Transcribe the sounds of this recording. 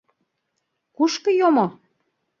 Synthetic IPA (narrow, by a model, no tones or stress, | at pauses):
kuʃkɤ̆jomo